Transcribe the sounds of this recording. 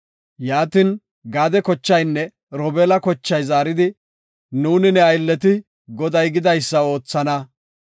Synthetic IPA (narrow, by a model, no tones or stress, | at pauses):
jaːt̪ɪn | ɡaːd̪ɛkɔt͡ʃːɐjnːɛ | ɾɔbɛːlɐkɔt͡ʃːɐjzaːɾɪd̪ɪ | nuːnɪnɛɐjlːɛt̪ɪ | ɡɔd̪ɐjɡɪd̪ɐjsːɐo̞ːt͡sːɐnɐ